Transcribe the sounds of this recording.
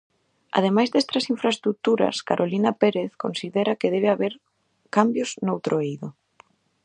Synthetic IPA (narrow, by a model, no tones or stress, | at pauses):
a̰ð̞emajzðest̪ɾɐsiɱfɾaest̪ɾuk̚t̪uɾɐ̰skaɾʔolinɐpeɾeθkonsiðɛɾɐkeðɛβeaβeɾ | kambjoznowt̪ɾoejðʊ